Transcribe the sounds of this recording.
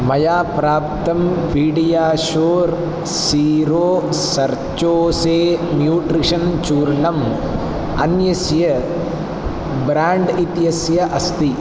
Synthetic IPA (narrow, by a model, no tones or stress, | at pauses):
mɐjaːpɾaːp̚t̪ɐmpiːɽijaːʃoːɾ | siːɾoːsɐɾt͡ʃoːseːmjuːʈɾiʂɐnt͡ʃuːɾɳɐm | ɐ̰njɐsjɐ | bɾaːɳɖit̪jɐsjɐʔɐst̪i